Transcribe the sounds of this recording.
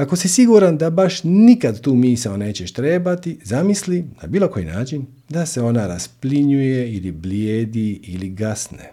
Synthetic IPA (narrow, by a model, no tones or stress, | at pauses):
ako̞sisiɡuɾand̪abaʃnikad̪t̪uːmiːsaone̞ːt͡ɕeʃt̪ɾe̞ːbat̪izamislina̰biːlˠo̞ko̞jḭnaːt͡ʃin | d̪ase̞o̞naɾaspliɲuje̞ilibljeːd̪iiliɡasnḛ